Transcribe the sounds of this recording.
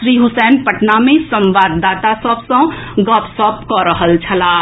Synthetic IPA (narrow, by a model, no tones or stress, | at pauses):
ɾiːɦʊsɛːnpəʈnamẽsə̃mʋaːd̪ːaːt̪asəbsə̃ɡɔːpsɔːpkɔɾəɦəlt͡ʃʰɐlaː